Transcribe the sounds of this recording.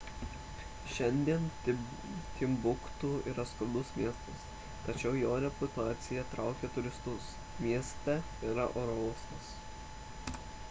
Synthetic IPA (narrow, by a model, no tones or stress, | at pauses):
ʃʲɛnʲd̪ʲiɛn | t̪ʲɪmbʊkt̪uiːɾɐskʊd̪ʊsmʲiɛst̪ɐs | t̪ɐt͡ʃʲɛʊjoːɾʲɛpʊt̪ɑːt̪sʲɪjɛt̪ɾɑˑʊkʲeːt̪ʊɾʲɪst̪ʊs | mʲiɛst̪ʲɛ | iɾɐʔoːɾɔʊskɐs